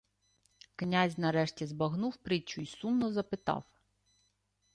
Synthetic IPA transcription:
knʲazʲnɐɾɛʃtʲizbɐɦnuwpɾɪt͡ʃʊisumnɔzɐpɪt̪ɑ̰w

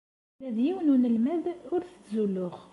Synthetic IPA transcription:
æðjiwnunəlmæðʊɾθə̥t͡szulːʊʁ

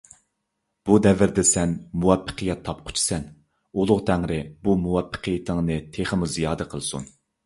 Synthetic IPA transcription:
b̥ud̪ɛvɪɾd̪ɛsɛnmuwɛpʰːə̥qʰəjɛt̪ʰːɑp̚qʰʊ̥t͡ʃʰi̥sɛn | ulˠʊʁt̪ʰæŋɾɪbumuwɛpʰːə̥qʰijɪt̪ʰɪŋnɨt̪ʰeχəmuzijɑːd̪ɛqʰəlˠɨsṵn

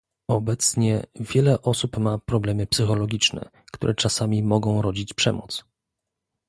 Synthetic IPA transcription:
ɔbɛt̪sɲɛvʲjɛlɛʔɔsupmapɾɔblɛmɘpsɘxɔlɔɡʲit͡ʂnɛ̰ | kt̪uɾʔɛt͡ʂasamʲimɔɡɔ̃w̃ɾɔd͡ʑit͡ɕpʂɛmɔ̰t̪s

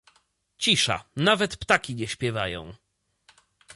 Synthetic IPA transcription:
t͡ɕiʂa̰navɛt̪pt̪akʲiɲɛɕpʲjɛvajɔ̰̃w̃

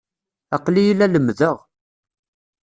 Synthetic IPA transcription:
ɑqlijilːæləmːðəʁ

